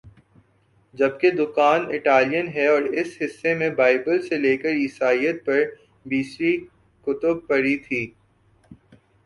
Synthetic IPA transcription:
d͡ʒɐb̚ked̪ʊkaːnɪʈaːlijənɦɛɔːɾɪsɦɪsːemẽbaːɪbəlseleːkəɾiːsaːijət̪̚pɐɾ | biːsɾi | kʊt̪ʊb̚pɐɾit̪ʰiː

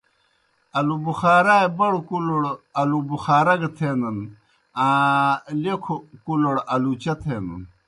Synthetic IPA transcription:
ɐlubuxaːɾaːjbɐɽkuloɽɐlubuxaːɾɐɡɐt̪ʰeːnɐn | a | lekʰokuloɽɐlut͡ɕɐt̪ʰeːnṵn

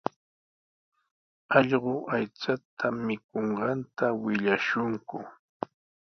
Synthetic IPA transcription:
ɑʎɢʊʔajt͡sat̪ʰamɪk̚oɴɢɑnt̪awɪʎaʃʊŋkʊ

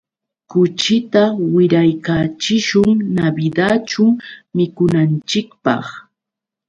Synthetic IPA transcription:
kʊt͡ʃɪt̪awɪɾajkaːt͡ʃɪʃʊŋnabɪd̪at͡ʃʊmɪkʊnant͡ʃɪkpɑ̰χ

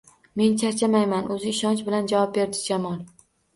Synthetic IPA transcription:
me̞nt͡ʃʰaɾt͡ʃʰamajmanʔɵzɪːʃɒnt͡ʃbɪland͡ʒavɒp̚be̞ɾd̪ɪd͡ʒamɒlˠ

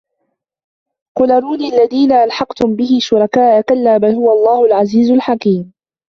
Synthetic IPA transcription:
qʊlɑɾˤuːniʔalːaðiːnaʔalħɑqt̪ʊmbɪhɪʃʊɾˤɑkaːʔakalːaːbalhʊwaʔlˤːɑːhʊlʕaziːzʊlħakiːm

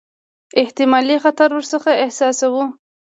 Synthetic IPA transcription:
ɪht̪ɪmɑlixat̪aɾwəɾsəxaɪhsɑsawu

